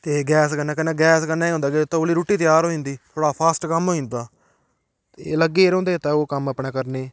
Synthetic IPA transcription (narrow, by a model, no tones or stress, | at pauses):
t̪eːɡɛːskənaːkənãːɡɛːskənːaːiːõːnd̪aːkɪt̪õoːliːɾoːʈːiːt̪ɪjaːɾɦoːĩːnd̪iːt̪ʰoːɽaːpʰaːsʈkəmɦoːĩːnd̪aː | t̪ḛləɡːeːɾõːnd̪eːt̪aːoːkəməpnaːkəɾneː